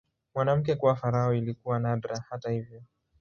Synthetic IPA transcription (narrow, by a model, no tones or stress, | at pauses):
mwanam̩k̬ɛkuwafaɾaɔilikuwanadɾahatahivjɔ